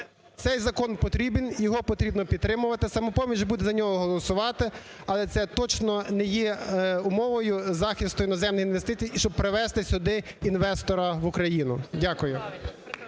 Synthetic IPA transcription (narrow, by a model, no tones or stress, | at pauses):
t̪sɛjzɐkɔnpɔt̪ɾʲibɪnjɔɦɔpɔt̪ɾʲibnɔpʲid̪t̪ɾɪmʊʋɐt̪ɪsɐmɔpɔmʲiʒbud̪ɛzɐnʲɔɦɔɦɔlˠɔsʊʋɑt̪ɪ | ɐlˠɛt̪sɛt̪ɔt͡ʃnɔnɛjɛʊmɔʋɔjʊzɑxʲist̪ʊjinɔzɛmnɪxinʋest̪ɪt͡sʲijiʃt͡ʃɔb̚pɾeʋɛst̪ɪsʲʊd̪ɪ | inʋɛst̪ɔɾɐʋʊkɾɐjinʊ̰dʲakʊjʊ